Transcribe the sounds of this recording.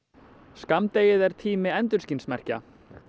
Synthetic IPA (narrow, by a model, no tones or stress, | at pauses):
skamt̪eːjɪðɛɾ̥t̪ʰiːmɪɛnt̪ʏɾ̥scinsmɛr̥ca̰